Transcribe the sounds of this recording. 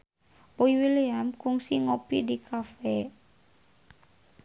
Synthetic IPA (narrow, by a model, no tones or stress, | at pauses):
ʔoiwileamkuŋsiŋopidikʰafɛ